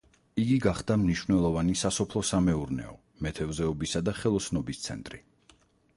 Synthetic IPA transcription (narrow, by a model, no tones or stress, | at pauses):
iɡiɡaχd̪amniʃvnɛlˠɔvanisasɔpʰlˠɔsamɛuɾnɛ̰ɔ | mɛt̪ʰɛvzɛɔbisad̪aχɛlˠɔt̪sʰnɔbist̪sʰɛ̰nt̪ʼɾi